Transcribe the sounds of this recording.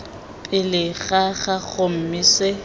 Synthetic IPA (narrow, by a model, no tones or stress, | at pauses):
pʼɪlɪɣaɣaɣʊm̩mise